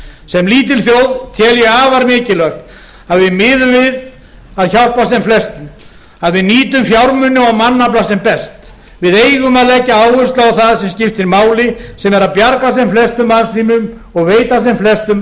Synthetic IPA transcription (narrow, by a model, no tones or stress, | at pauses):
sɛmliːt̪̬ɪlθjowðt̪ʰjɛːljɛaːvaɾmɪːcɪlœht̪ | aðvɪðmɪːðʏmvɪð | aðçawl̥pasɛmflɛst̪ʏm | aðvɪðniːt̪ʏmfjawɾmʏnːɪawmanːaplasɛmpɛst̪ | vɪðeːjɣʏmaðlɛcːaaːwʏst̪laawθaðsɛmscɪft̪ɪnmaːwlɪsɛmɛɾaðpjaɾkasɛmflɛst̪ʏmanst̪iːmʏm | ɔɣveːjt̪as̬ɛmflɛst̪ʏm